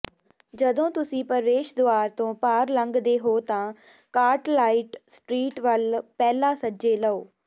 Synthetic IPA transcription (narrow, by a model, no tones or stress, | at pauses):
d͡ʒəd̪õːt̪ʊsĩːpəɾʋeːʃd̪oaːɾt̪õːpaːɾləŋɡd̪eːɦoːt̪ãː | kaːɾʈlaːiʈsʈɾiːʈʋəlpɛːlãːsəd͡ʒeːləoː